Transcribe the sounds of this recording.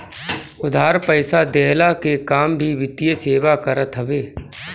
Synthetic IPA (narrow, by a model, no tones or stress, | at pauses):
ʊd̪ʱaːɾpəɪsad̪ɛːlakekaːmbʱiʋɪt̪ijəseːʋakəɾət̪ɦəbeː